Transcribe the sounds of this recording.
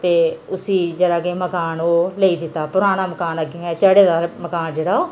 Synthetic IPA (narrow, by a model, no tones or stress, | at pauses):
t̪eːʊsiːd͡ʒeːɽaːɡeːməkaːnoːleːiːd̪ɪt̪ːaːpʊɾaːnaːməkaːnəɡĩɛːt͡ʃəːɽeːd̪aːməkaːnd͡ʒeːɽaːoː